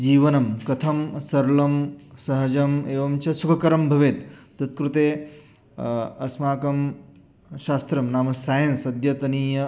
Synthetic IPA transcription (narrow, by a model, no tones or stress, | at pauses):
d͡ʒiːʋɐnɐmkɐt̪ʰɐmsɐɾlɐmsɐɦɐd͡ʒɐmeːʋɐmt͡ʃɐsukʰɐkɐɾɐmbʱɐʋeːt̪d̪ɐt̪̚kɾut̪eː | ɐsmaːkɐm | ʃaːst̪ɾɐmnaːmɐsaːjɐnsɐd̪jɐt̪ɐniːjɐ